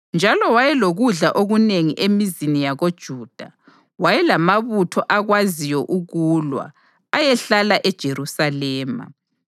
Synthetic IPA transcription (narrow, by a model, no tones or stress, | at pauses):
nd͡ʒʱalɔwajɛloɣuɮaʔoɣuneŋiʔemizinijaɣod̥ʒ̥ʱuːd̥ʱa | wajɛlamaβutʰɔʔaɣwazijɔʔuɣulwa̰ | ajɛɬalaʔɛd̥ʒ̥ʱerusalɛːma̰